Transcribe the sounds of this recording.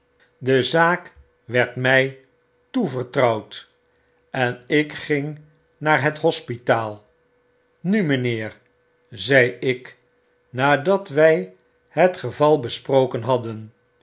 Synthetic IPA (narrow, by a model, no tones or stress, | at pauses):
dəzaːk | ʋɛɹtmɛj | tuvəɹtrʌwt | ɛnɪkχɪŋ | naːɹɦətɦɔspitaːlˠ | nyməneːr | zɛjɪk | naːdɑtʋɛj | ɦətχəvɑlˠbəsprowkənɦɑdən